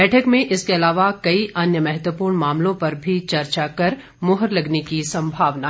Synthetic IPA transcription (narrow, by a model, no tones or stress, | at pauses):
ɛːʈʰəkmẽʔɪskeɐlaːʋakɐiʔɐnjəmɛɦət̪ʋəpuːɾɳmaːmlõpɐɾbʱit͡ʃɐɾt͡ʃakɐɾ | mʊɦəɾlɐɡnekisɐ̃mbʱaːʋna